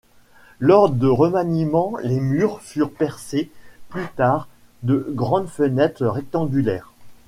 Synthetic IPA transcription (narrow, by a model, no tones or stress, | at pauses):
lɔʁd̪əʁəmanimɑ̃lemyʁfyʁpɛʁseplyt̪aʁ | d̪əɡʁɑ̃d̪fənɛt̪χʁɛk̚t̪ɑ̃ɡʲylɛːʁ